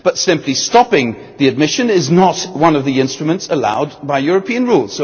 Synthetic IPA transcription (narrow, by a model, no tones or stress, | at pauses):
b̥ʌtsɪ̃mpʰlistɑpɪ̃ŋ | ðiɨd̚mɪʃɨ̃nɪznət̚wʌ̃nʌvðiɪ̃nstɹ̥ɨmə̃ntsəla̰ʊd̚baɪjʊɹɨpʰĩɨ̃nɹulˠz̥so